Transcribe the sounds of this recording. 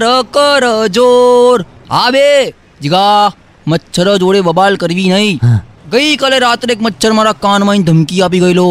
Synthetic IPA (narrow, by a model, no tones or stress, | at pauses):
ɾəkəɾəd͡ʒoːɾaːbe | d͡ʒiɡaː | mɐtːʃʰəɾəd͡ʒoːɽeʋɐbaːlkɐɾʋinɐĩɡɐikɐleɾaːt̪ɾeːkmɐtːʃʰəɾmaːɾakaːnmãːĩnd̪ʱəmkiaːp̬iɡɐiloː